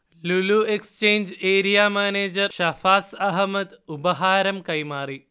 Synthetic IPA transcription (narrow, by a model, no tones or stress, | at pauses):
luluekst͡ʃeːnd͡ʒeːɾijaːmaːneːd͡ʒɐɾʃɐfaːsɐɦmɐd̪ubɐɦaːɾɐmkɐjmaːɾi